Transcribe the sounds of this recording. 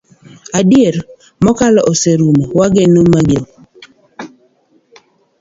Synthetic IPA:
adjeɾ | mɔkalɔʔoseɾumawaɡenomaɡo

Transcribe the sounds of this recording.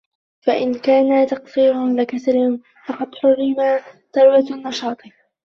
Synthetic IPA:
faʔɪnkaːnat̪ɑqsiːɾʊlɪkasɾɪ | fɑqɑd̪ħʊrːɪmaː | t̪ɑɾwanːɑʃɑːt̪ˤ

